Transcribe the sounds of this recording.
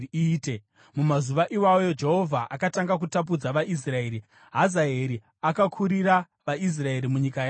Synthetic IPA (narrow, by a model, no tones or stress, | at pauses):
iːte̞ | mumazuʋaʔiwajod͡ʒe̞ɦo̞vʱaʔakataŋɡak̬utap̬ud͡zaʋaʔis̬rae̞ːɾi | ɦazaeɾi | akakʰuɾiɾa | ʋais̬rae̞ɾimuɲikaja